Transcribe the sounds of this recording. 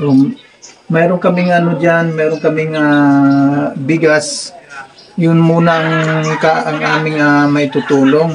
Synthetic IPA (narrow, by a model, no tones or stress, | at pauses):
o | mɛːɾoŋkɐmɪŋɐnod͡ʒanmɛːɾonkɐmɪŋa | bɪɡas | jʊnmuːnaʔɐŋkaʔɐŋʔaːmɪŋamɐjt̪ʊt̪uːloŋ